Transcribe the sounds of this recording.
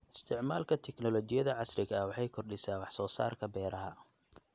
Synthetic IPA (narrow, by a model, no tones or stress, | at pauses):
ʔɪ̥st̪ʰɪʕmaːlkʰɐt̪ʰɛknɔlɔt͡ʃɪjɐðɐʕɑsrɪɣɐwɑħɑjkʰɔrɖɪsaːwɑħsɔːsa̰ːrkʰɐbɛːɾɐɦɐ